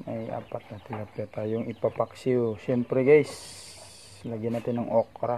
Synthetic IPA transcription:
maja̰ːpat̪̚nat̪ɪlapɛt̪ajoŋipapaksiosɛmpɾɛɡajs | laɡɪnat̪ɪnɐŋokɾa

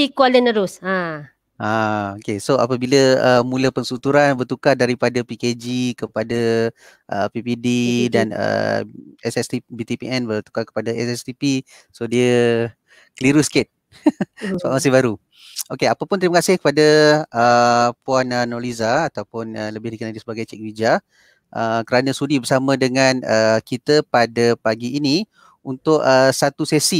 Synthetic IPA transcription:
ikualənəɾʊsa | ʔaokesoa̰pəbiləəmũləpəŋsut̪uɾanbərt̪ukadaɾipadapiked͡ʒikəpada | ʔə̰pipididanə̰ | ɛsɛst̪ibit̪ipiʔɛnbərt̪u̥kakə̥padaɛsɛst̪ipi | sodiə | kəliɾusket̪̚ | səbaʔ̚masɪhbaɾu | ʔokeapəpʊnt̪əɾiməkasɪhkə̥padaəpuanənɔlizaːt̪awpʊnələbɪhdikənadisəbaɡajt͡ʃɛk̚vid͡ʒa | ʔəkəɾanə̃sudibərsamə̃dəŋãnəkit̪əpadəpaɡiːni | unt̪ʊʔəsat̪usɛsi

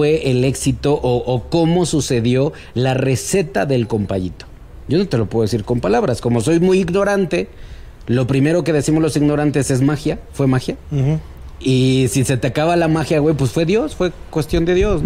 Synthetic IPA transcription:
we̞ʔele̞ksit̪o̞ʔoʔːko̞mo̞suse̞ðjo̞ | lare̞se̞t̪aðe̞lko̞mpaʝit̪o̥ | ɟ͡ʝo̞not̪e̞lo̞pweesiɾko̞mpalaβɾasko̞mo̞so̞jmujiɣno̞ɾant̪e̞ | lo̞pɾime̞ɾo̞ke̞ðe̞simo̞zlo̞siɣno̞ɾant̪e̞se̞zmaxjafwe̞maxja | isise̞t̪akaβalamaxjaɣwe̞jpwesfwe̞ðjo̞sfwe̞kwe̞st̪jo̞nd̪e̞ðjo̞s

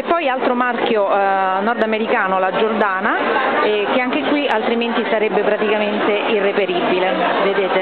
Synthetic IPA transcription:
epːɔjalt̪ɾomark̟jonɔrd̪ameɾikaːnolad͡ʒord̪aːnaɛk̟eaŋk̟ekwialt̪ɾiment̪isaɾebːepɾat̪ikament̪eʔirːepeɾibːile | ved̪eːt̪e

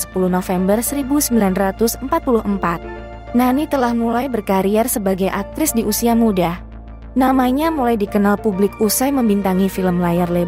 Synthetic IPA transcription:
sə̥puluhnofɛmbərsəɾibusəmbilanrat̪ʊsəmpat̪̚pulʊhəmpat̪̚ | nanit̪əlahmulajbərkaɾiɛrsəbaɡajʔak̚t̪ɾɪsdiʔusiamudah | namaɲamulajdikənalpublɪkusajməmbint̪aŋifiləmlajarle

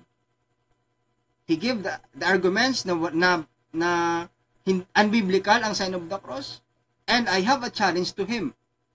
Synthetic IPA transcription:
hiɡɪvd̪ɐaɹɡʊmɛ̃nt̪snɐnɐ | nɐ | hɪnʔɐnbiblɪkɐlɐŋsanɔbd̪ɐkɾɔs | ʔɛ̃nd̪ajɦɐvɐt͡ʃalɛ̃nd͡ʒt̪ʊɦɪ̃m

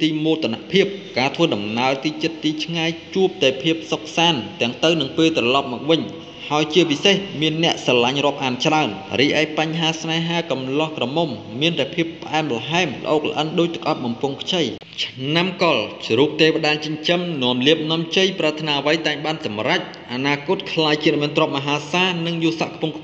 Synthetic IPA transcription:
t̪iːmoːt̪ʰanaʔpʰiəp̚kaːt̪ʰʋəːɗɑmnaəlt̪iːt͡ɕət̪ːiːt͡ɕʰŋajt͡ɕuəp̚t̪aɛpʰiəp̚sok̚saːnt̪ɛ̆əŋt̪ɨwnɨŋpeːlt̪rɑlɑp̚mɔːk̚ʋɨɲ | haəjt͡ɕiəpisehmiənːɛ̆əʔsɑlaɲrŏəp̚ʔaːnt͡ɕraənriəʔaɛk̚paɲɦaːsmaɛɦaːkɑmlŏhkrɑmomːiənt̪aɛpʰiəpːə̆ʔaɛmlɑɦaɛmlə̰̆ʔoːk̚lə̆ʔənɗoːc̚t̪ə̥k̚ʔɑp̪̚ɓɑmpʊŋkʰt͡ɕəj | t͡ɕʰnamkɑlt͡ɕruːp̚t̪eːʋeɗaːt͡ɕəɲt͡ɕəmnŏəmliəp̚nŏəmt͡ɕəjprat̪ʰnaːʔəʋəjt̪aɛŋɓaːnsɑmrac̚ʔanaːkʊ̆t̪̚kʰlaːjt͡ɕiən̚miənt̪rŏəp̚maɦaːsaːnɨŋjuːsaʔkʰpʊŋkʰ

